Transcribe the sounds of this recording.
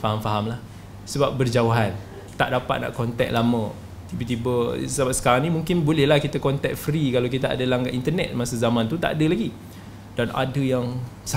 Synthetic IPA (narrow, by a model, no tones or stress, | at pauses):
faɦamfaɦamlah | səbap̚bərd͡ʒawaɦan | t̪aʔdapa̰t̪̚na̰ʔkɔnt̪ɛ̰k̚lamə̃ | t̪ibət̪̬ibəsəbap̚sə̥kaɾaŋnimuŋkɪnbolɛhlahkit̪akɔnt̪ɛk̚fɾikalak̬it̪aa̰dəlaŋɡaʔint̪ərnɛ̰t̪̚masəzamãnt̪ut̪a̰ʔadəlaɡi | d̥anʔa̰dəjaŋsa